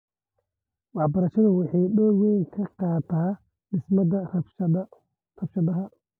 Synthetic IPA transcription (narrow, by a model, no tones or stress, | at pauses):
wɑħbɐɾɐʃɐðʊwɑħɑjɗɔwɛjŋkʰɐqɑːt̪ʰaː | ɖɪsmɐdɐ | rɐbʃɐðɐɦɐ